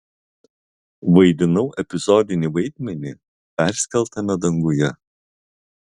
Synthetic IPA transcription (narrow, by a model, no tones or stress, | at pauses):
ʋɐɪd̪ʲɪnɐʊʔɛpʲɪzɔd̪ʲɪnʲiʋɐɪd̪ʲmʲɛnʲiˑ | pʲæɾʲsʲkʲɛlˠt̪ɐmʲɛd̪ɐŋɡʊjɛ